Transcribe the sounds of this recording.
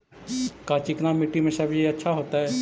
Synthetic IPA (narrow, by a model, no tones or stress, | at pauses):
kat͡ʃɪknamɪʈːimẽsəbiɐtːʃʰaɦoːt̪aɦɛː